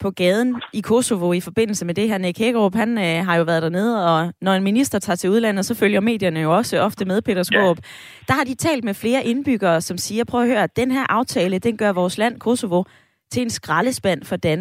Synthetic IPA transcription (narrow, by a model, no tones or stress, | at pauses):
pʰɒ̽ɡ̥ɛːð̞ˠn̩ikʰo̝so̝ʋo̝ifɒ̽b̥e̝n̰l̩səmed̥e̝hæɐnekʰeɡ̥ʁob̥hænɦɑ̈jo̝ʋæːɐð̞ˠd̥æɐneːð̞̩ˠɒ̽nɒe̝nminisd̥ɐt͡sʰɑ̰̈ːt͡sʰe̝uðˠlæn̰ð̩ˠsɒ̽føljɐme̝̰ːd̥jɐnəjo̝ɒ̽səɒ̽fd̥əmeð̞ˠpʰe̝̰ːd̥ɐsɡ̥o̰ːb̥ | d̥ɑ̈hɑ̈d̥it͡sʰɛ̰ːld̥mefle̝ːɐʔe̝nb̥yɡ̥ɐːsɒ̽msiːɐpʰʁœʊɐɦø̰ːɐd̥enɦæɐʔɑ̈ʊt͡sʰɛːləd̥enɡ̥ɶɐʋɒːslæn̰kʰo̝soʋo̝ | t͡sʰe̝le̝nsɡ̥ʁɑləsb̥æn̰fɒd̥æn